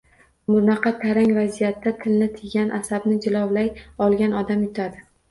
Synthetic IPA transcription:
mʊnɑqʰɑt̪ʰaɾaŋʲvazijat̪ːat̪ʰɪlnɪt̪ʰɪɡʲanʔasabnɪd͡ʒɪlɒwlajɒlˠɡʲanɒd̪amjʊt̪ʰad̪ɪ

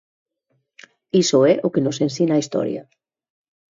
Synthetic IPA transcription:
isoɛʔokenosensinaːist̪ɔ̰ɾja̰

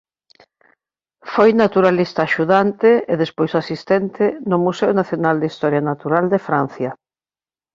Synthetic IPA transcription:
fojnat̪uɾalist̪aːʃuðant̪ɪeðespojsasist̪ɛnt̪ʰɪnʊmuseʊnaθjonald̪ist̪ɔɾjanat̪uɾald̪efɾan̟θja

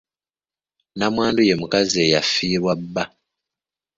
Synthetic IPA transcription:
namwaːnduje̞mukazie̞jafːiːβwabːa

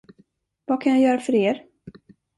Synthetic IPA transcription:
vakʰanjajœːɾafœɾeːɾ

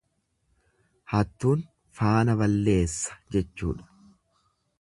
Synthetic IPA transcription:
hɐt̪ːuːn | faːnɐbɐlːe̞ːsːɐ̥d͡ʒɛt͡ʃːṵːᶑɐ̥

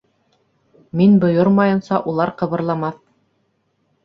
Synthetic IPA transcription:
minbŏjoɾmɑjɤ̆nsɑʔulˠɑɾqɤ̆βɤ̆ɾlˠɑmɑθ

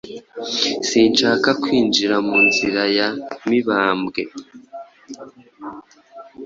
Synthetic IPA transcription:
siːnʃaːkakwiːnd͡ʒiɾamuːnziɾajamiβaːmbɡe̞

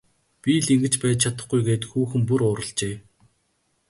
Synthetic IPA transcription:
pʲiɮiŋɡɘ̆t͡ɕpæːt͡ɕ̪̚t͡ɕʰat̪ə̆χɡujɡeːt̪xuːxɘ̆mp̬uɾʊːɾə̆ɮt͡ɕeː

